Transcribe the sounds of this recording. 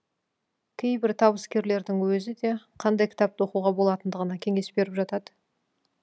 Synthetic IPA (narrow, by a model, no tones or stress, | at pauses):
kʲʰe̞jbɪɾt̪ʰɑβəskʲe̞ɾle̞ɾd̪ɪŋwɵzɪd̪e̞qʰɑnd̪ɑjkʰʲɪ̥t̪ɑp̚t̪wo̞quʁɑbo̞lˠɑt̪ənd̪əʁənɑkʲʰe̞ŋe̞sbe̞ɾɪpʒɑt̪ɑd̪ə